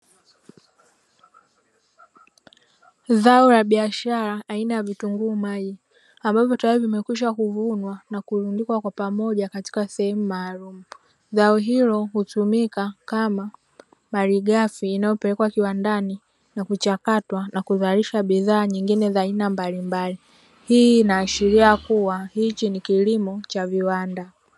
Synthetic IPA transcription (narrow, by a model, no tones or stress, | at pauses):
ðaɔɾaɓiaʃaɾaːinajavituŋɡuːmaʄi | ambavjɔtajaɾivimɛkwiʃakuvunwanakuɾundikwakwapamɔʄakati̥kasɛhɛmumaːlumu | ðaɔɦilɔhutumikakama | maɾiɠafiːnajɔpɛlɛkwakiwandani | nakut͡ʃakatwanakuzaɾiʃaɓiðaːɲiŋɡinɛzainambalimbali | hiːnaːʃiɾiakuwahit͡ʃinikilimɔt͡ʃaviwanda